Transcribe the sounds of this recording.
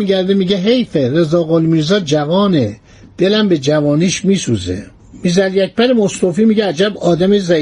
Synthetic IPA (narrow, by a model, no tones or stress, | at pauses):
iɟæɾd̪emiːɟeɦejfeɾe̞zɒːɣolmiːɾzɒːd͡ʒævɒːne | d̪̥e̞læmbe̞d͡ʒævɒːniːʃmiːsuːzḛ | mizælijæc̚ʰb̥æɾemost̪ofiːmiːɟeæd͡ʒæbɒːd̪æmezæ